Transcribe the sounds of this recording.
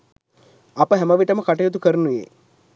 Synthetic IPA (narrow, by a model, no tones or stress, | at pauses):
apəɦæməʋiʈəməkaʈɐjot̪̬ukəɾənuʋḛː